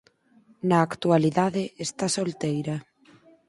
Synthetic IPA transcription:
nɐːkt̪ualiðaðɪest̪asolt̪ejɾɐ

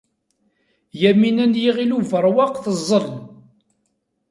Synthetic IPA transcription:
jæminænjiʁiluvəɾˤwɑqθəzˤːəl

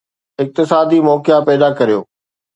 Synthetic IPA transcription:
ɪk̚t̪ɪsaːd̪imɔːkɪjapɛɦɪd̪akɐɾijo̰ː

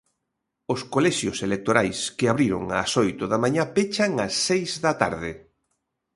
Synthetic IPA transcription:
ʊskolɛʃjoselek̚t̪oɾajskɪaβɾiɾʊ̰ŋa̰sojt̪ʊðamãɲapet͡ʃaŋasːejzðɐt̪a̰ɾðɪ

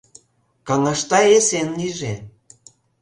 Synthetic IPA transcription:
kɑŋɑʃt̪ɑesenliʒe

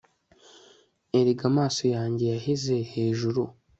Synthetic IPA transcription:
eɾiɡamaːso̞jaːɲɟe̞jaɦize̞he̞ːʒuɾu

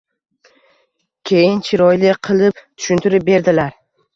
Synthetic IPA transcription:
kʲʰe̞jɪnt͡ʃʰɪɾɒjlɪqʰɨlˠɪpt̪ʰʊ̥ʃʊnt̪ʰɪɾɪp̚be̞ɾd̪ɪlaɾ

